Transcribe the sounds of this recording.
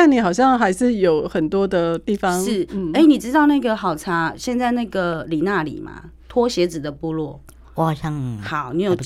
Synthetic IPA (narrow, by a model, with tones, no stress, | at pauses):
a˥˩ni˨˩xɑ˨˩ʊɕ̬jɑ˥˩ŋxa˧˥ɪʂɻ̩˥˩jo˨˩ʊxə˨˩nt̪wɔ˦˥d̪ə˨t̪i˥˩fɑ˦ŋʂɻ̩˥˩˥e˥ɪni˨˩ʈ͡ʂɻ̩˥t̪ɑ˥˧ʊna˥˩ɡə˨xɑ˨˩ʊʈ͡ʂʰa˥ɕjɛ˥˧nt͡sɪna˥˩ɡə˨˩li˨˩na˥˩lḭ˨˩˦ma̰˨˦t̪ʰwɔ˥ɕjɛ˧˥t͡sɻ̩˨˩d̪ə˨pu˥˧lwɔ˥˩˨ | ɕjɑ˥ŋxɑ˨˩˦ʊni˧˥jo˨˩ʊ